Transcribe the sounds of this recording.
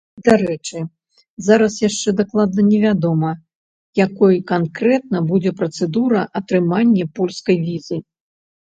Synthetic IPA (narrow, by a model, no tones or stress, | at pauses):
d̪aɾɛt͡ʂɨ | zaɾɐsjaʂt͡ʂɛd̪aklˠad̪̚nɐnʲɛvʲad̪ɔmɐ | jakɔjkankɾɛt̪̚nɐbud͡zʲɛpɾɐt̪sɛd̪uɾɐʔɐt̪ɾɨmanʲːɛpɔlʲskɐjvʲizɨ